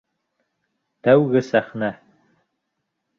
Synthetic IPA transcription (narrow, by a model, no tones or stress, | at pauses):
t̪æwɣɘsæχnæ